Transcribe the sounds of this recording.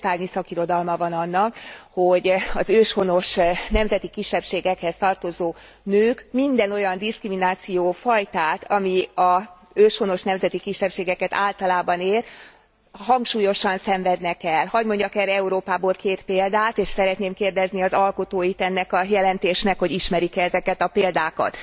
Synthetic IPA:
t̪aːrɲisɒkiɾo̞d̪ɒlmɒvɒnɒnːɒkho̞ɟɒzøːʃho̞no̞ʃnɛmzɛt̪ikiʃːɛpʃeːɡɛkhɛst̪ɒrt̪o̞zoː | nøːkmind̪ɛno̞jɒnd̪iskriminaːt̪sijoːfɒjt̪aːt̪ʰɒmiɒ | øːʃho̞no̞ʃnɛmzɛt̪ikiʃːɛpʃeːɡɛkɛt̪a̰ːlt̪ɒlaːbɒneːr | ɦɒŋkʃuːjo̞ʃɒnsɛɱvɛd̪nɛkɛlhɒɟmo̞ɲɟɒkɛɾɛuɾoːpaːboːlkeːt̪peːld̪aːt̪eːʃsɛɾɛt̪neːmkeːrd̪ɛzniɒzɒlko̞t̪oːjit̪ɛnːɛkɒjɛlɛnt̪eːʃnɛkho̞ɟiʃmɛɾikɛɛzɛkɛt̪ɒpeːld̪aːkɒ̰t̪

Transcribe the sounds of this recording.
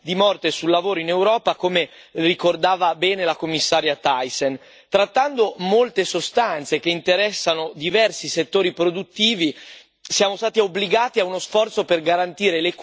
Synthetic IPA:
d̪imɔrt̪esulːavoːɾoinewɾɔːpakome | rikord̪aːvabɛːnelakomːisːaːɾjat̪ajsen | t̪ɾat̪ːand̪omolt̪esost̪ant̪sek̟eint̪eɾɛsːanod̪ivɛrsiset̪ːoːɾipɾod̪ut̪ːiːvi | sjaːmost̪aːt̪eobliɡaːt̪iaunosfɔrt̪soperɡaɾant̪iːɾelek

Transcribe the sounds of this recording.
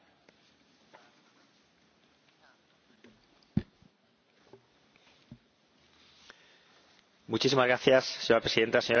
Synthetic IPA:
mut͡ʃis̬imazɣɾaθjaseɲoɾapɾe̞siðe̞nt̪aseɲoɾ

